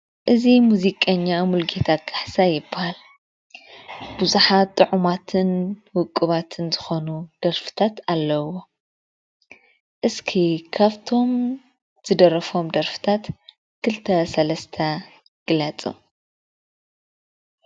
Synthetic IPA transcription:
ʔɨzimuzikʼɐɲːamulɡet̪ʰaɡʼaħsajɪbahal | buzuħat̪ʼːɨʕumat̪ʰɨnwʊkʼːɨβat̪ʰɨnzɨxo̞nud̪̥ɐɾfɨ̥t̪ʰat̪alːɐwo̞ | ʔɨskʰikʰaβt̪ʰo̞m | z̥ɨd̪ɐɾɐfo̞md̪ɐɾfɨ̥t̪ʰat̪ | kʰɨlt̪ʰɐsɐlɐst̪ʰɐ | ɡ̥ɨlɐt͡sʼṵ

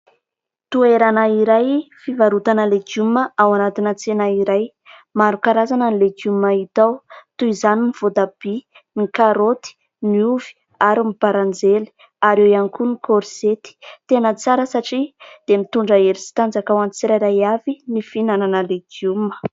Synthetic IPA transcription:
t̪ueɾanaiɾajfivaɾut̪anəleɡuməʔawanat̪inət͡senaiɾaj | maɾukaɾazanənileɡumait̪awt̪uizaniniv̥od̪ab̥i | nikaɾot̪i̥ | nuvi̥ | aɾimib̥aɾand͡zeli̥ | aɾewianikunikoɾset̪i̥t̪enət͡saɾəsaʈ͡ʂid̪̥emit̪uɳɖ͡ʐaeɾisi̥t̪and͡zakawant͡siɾajɾajavinifinananəleɡumə̥

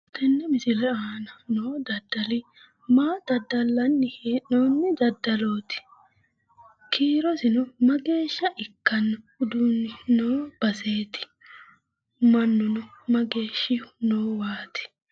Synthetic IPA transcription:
t̪ɛnːɛmɪsɪlɛaːnɐnoːd̪ɐd̪ːɐlɪ | maːd̪̥ɐd̪ːɐlːɐnːɪhenoːnːɛd̪ɐd̪ːɐloːt̪ɪ̥ | kʰiːɾɔsɪnɔmɐɡe̞ːʃːɐʔɪkːɐnːɐhʊd̪uːnːɪnoːb̥ɐseːt̪ɪ̥ | mɐnːʊnɔmɐɡe̞ːʃːɪnoːwaːt̪ɪ̥

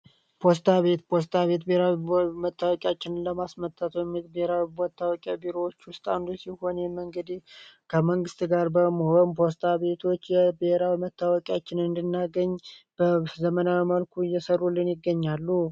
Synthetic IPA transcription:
pʰo̞s̬t̪ʰaβe̞t̪pʰo̞s̬t̪ʰaβe̞t̪behɾawimət̪ːawɔkʼjat͡ʃːɪnnləmasmət̪ʰːat̪wɛmːit̪beheɾawibɔt̪ʰːawɔkʼjabiɾo̞wot͡ʃːwʊst̪ʼa̰nd̪usiho̞njɛməŋɡəd̪ikʰəməŋɡɨst̪ɡaɾbəməho̞npʰo̞s̬t̪ʰaβe̞t̪ʰo̞t͡ʃːjɛbɪheɾawimət̪ːawɔkʼjat͡ʃːɪnɨnd̪ɨnːaɡəɲb̥əzəmənawiməlkʰuɨjːɛsərːulːɨnjɪɡːəɲːalːu

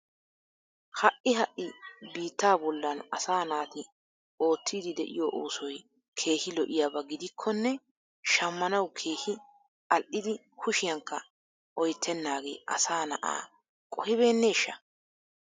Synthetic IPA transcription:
hɐʔɪɦɐʔɪbiːt̪ːaːbɔlːɐnɐ̰saːnaːt̪ɪ | ʔo̞ːt̪ʰːiːd̪ɪd̪ɛʔɪ̰joːʔoːsɔj | kʰe̞ːhɪlɔʔɪjaːbɐɡɪd̪ɪkʰːɔnːɛ | ʃɐmːɐnɐwkʰe̞ːhɪ | ɐlʔɪd̪ɪ | kʰʊʃɪjɐŋkːɐ | ʔɔjt̪ʰːɛnːaːɡe̞̰ːʔɐ̰saːnɐʔa̰ː | kʼɔhɪβe̞ːnːeːɪʃːɐ

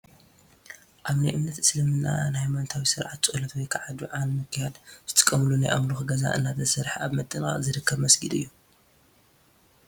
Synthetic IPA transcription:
ʔaβnajʔɨmnɐt̪ɨslɐmɨnːa̰nhajmant̪ʰawisɨɾʕat̪t͡sʼɨɨlɐt̪wɔjkʰaʕad̪uʕalmɨkʰːɨjad̪z̥ɨt̪ʰɨ̥kʼːɐmɨlunajʔa̰mluxɨɡɐza̰ʔɨ̰nːat̪ʰɐsɐɾħaβmɐt̪ʼːɨnxa̰zɨɾɨkʰːɐβmɐsɡid̪ɨ̰jːu

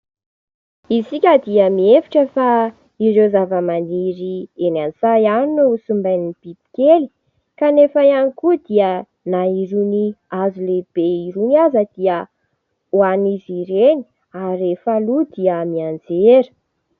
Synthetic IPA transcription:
isikʲəd̪iəmiefi̥ʈ͡ʂəfa | iɾewzavəmaniɾienanizajaninusumbajniib̥ib̪̥i̥keli̥ | kanefajanikud̪iə | naiɾuniazuleb̥eiɾuniazəd̪̥iə | waniziɾeni̥ | aɾefalud̪iəmiand͡zeɾə̥

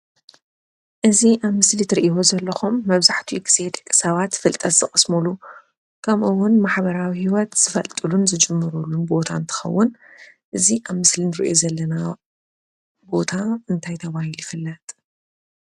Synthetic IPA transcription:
ʔɨziʔaβmɨslit̪ʰɨɾiʔio̞zɐlːɐxumːɐβzaħt̪ʰiɡize̞d̪kʼɨ̥sɐβat̪fɨlt̪ʼɐt̪z̥ɨkʼɨsmulu | kʰɐmʔɨwʊnmaħbɐɾawihiwɔt̪z̥ɨfɐlt̪ʼɨlunzɨd͡ʒɨmːɨɾulːunbo̞t̪ʰant̪ʰɨ̥xɐ̰wːʊn | ʔɨziʔaβmɨslinɨɾiʔo̞̰zɐlːɐna | bo̞t̪ʰaɨnt̪ʰajt̪ʰɐβahiljɪfɨlːɐt̪ʼ

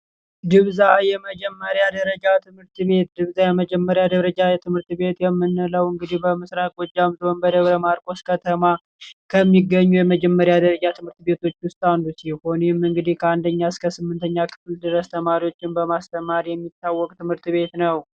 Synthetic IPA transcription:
d̪ɨβzajɛməd͡ʒɛmːəɾjad̪əɾəd͡ʒat̪ʰɨmhɨɾt̪βe̞t̪̚d̪ɨβzajɛməd͡ʒɛmːəɾjad̪əɾəd͡ʒajɛt̪ʰɨmhɨɾt̪be̞t̪jɛmːɨnːɨləwɨŋɡɨd̪ihbəmɨsɾakʼwɔd͡ʒːamzonbəd̪əβɾəmaɾkʼo̞skʰət̪ʰəma | kʰəmːiɡəɲːujɛməd͡ʒɛmːəɾjad̪əɾəd͡ʒat̪ʰɨmhɨɾt̪be̞t̪ʰo̞t͡ʃːwʊst̪ʼandusilho̞nemɨŋɡɨd̪ihkʰəand̪əɲːaskʰəsɨmːɨnt̪ʰəɲːakʰɨ̥fld̪ɨɾəst̪ʰəmaɾiwo̞t͡ʃːɪnbəmast̪ʰəmaɾjɛmːit̪ːawːɔkʼt̪ʰɨmhɨɾt̪βe̞t̪nəw

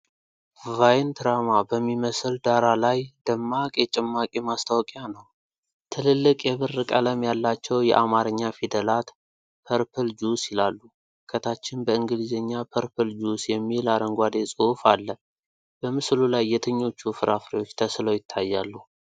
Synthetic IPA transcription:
vajnt̪ʰɨɾamabəmːiməsɨld̪aɾalajd̪əmːakʼjɛt͡ʃʼɪmːakʼimast̪ʰawkʼjanəw | t̪ʰɨlɨlːɨkʼjɛβɨrːɨkʼələmjalːat͡ʃːɛwjɛ̰ʔamaɾɨɲːafid̪əlat̪ | pʰəɾpʰɨld͡ʒusɪlalːu | kʰət̪ʰat͡ʃːɪnbəɨŋɡɨlizeɲːapʰəɾpʰɨld͡ʒusjɛmːilaɾəŋɡʷad̪e̞sʼufalːə | bəmɨslulajːɛt̪ʰɨɲːo̞t͡ʃːufɨɾafɾewot͡ʃːt̪ʰəsɨləwjɪt̪ʰːajːalːu

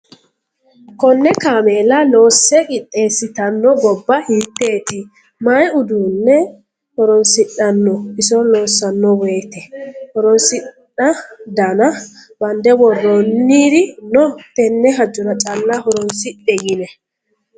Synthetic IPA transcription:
kɔnːɛkaːmeːlɐlo̞ːsːɛʔɪtʼːeːsɪt̪ɐnːɔɡɔbːɐhiːt̪ːe̞ːt̪ɪ | mɐjʊd̪uːnːɛ | hɔɾɔnsɪɗɐnːɔɪsɔlo̞ːsːɐnːɔweːt̪ɛhɔɾɔnsɪ | ɐd̪ɐnɐbɐnd̪ɛwɔrːɔnːiːd̪ɪnɔt̪ɛnːɛɦɐd͡ʒːʊnɐt͡ʃʼɐlːɐhɔɾɔnsɪɗɛjɪnɛ

